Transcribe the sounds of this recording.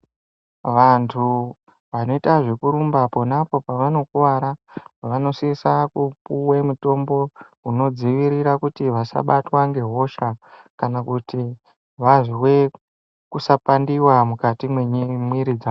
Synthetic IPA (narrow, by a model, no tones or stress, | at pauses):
ʋantʰu | ʋano̞itaʐe̞kuɾumbapo̞napo̞paʋano̞kuwaɾaʋano̞sisakupuwemuto̞mbo̞ | uno̞d͡ziʋiɾiɾakutiʋasa̰ɓatwaŋɡe̞ɦo̞ʃakanakuti | ʋaʐiwe̞ | kusapandiwamukatimweɲmwiɾid͡za